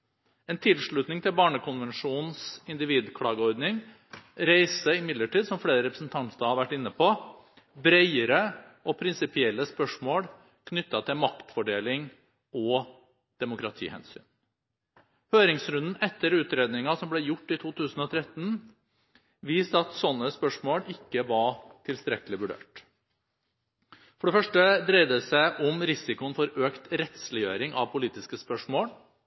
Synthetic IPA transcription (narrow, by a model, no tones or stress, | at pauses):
eːnt̪ʰɪlʂɭʉt̪nɪŋt̪ʰɪlbɑːɳəkʊnʋɛnʂuːn̩sɪnd̪ɪʋiːd̪kʰlɑːɡəɔɾd̪nɪŋ | ɾæɪsəɪmɪd̪ləʈiːd̪sɔmfɽeːɾəɾɛpɾəsn̩t̪ʰɑnt̪ɑhɑɾʋæʈːɪnːəpʰo | bɾeɪəɾə | ɔpʰɾɪnsɪpɪɛlːəspœʂmoːɽ | kʰnʏt̪ːɑt̪ʰɪlmɑkt̪fɔɖeːlɪŋ | ʔɔ | d̪̥ɛmʊkɾɑt̪ʰḭːhɛ̰nsy̰ːn | høːɾɪŋsɾʉnd̪n̩ɛt̪ːəɾʉːt̪ɾeːd̪nɪŋɑsɔmblɛjʊʈːɪt̪ʰuːt̪ʰʉːsn̩ɔt̪ʰɾɛt̪n | ʋiːst̪əɑt̪sɔnːəspœʂmoːɽɪkːəʋɑʈʰɪlst̪ɾɛkəlɪʋʉɖø̰ːʈ | fɔɖɛfœʂʈəd̪ɾæɪd̪əsæɪʔɔmɾɪsɪkʊənfɔɾøːkt̪ɾɛt̪slɪjøːɾɪŋɑ̰ʋpʰʊliːt̪ɪskəspœʂmoːɽ